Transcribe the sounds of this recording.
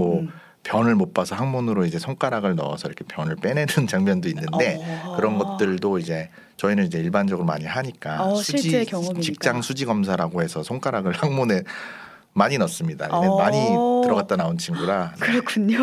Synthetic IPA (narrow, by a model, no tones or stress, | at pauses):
mʌ | pjʌnɯɭmop͈asʰʌhaŋmonɯɾoid͡ʑe̞sʰoŋk͈aɾaɡɯɭnʌ̰ʌ̰sʰʌiɾʌkʰepjʌnɯɭp͈e̞nedɯnt͡ɕaŋmjʌndoinːɯnde̞kɯɾʌnɡʌt̚t͈ɯɭdoid͡ʑe̞ | t͡ɕʌinɯnid͡ʑe̞iɭband͡ʑʌɡɯɾoma̰ɲiɦaɲik͈asʰuiit͡ɕik̚t͡ɕ͈aŋsʰud͡ʑiɡʌms̬ʰaɾaɡohe̞sʰʌsʰoŋk͈aɾaɡɯɭhaŋmone | maɲinʌs͈ɯmɲida̰iemaɲɲitɯɾʌɣat̚t͈anaont͡ɕʰiŋɡuɾanɯɾkʰuɲo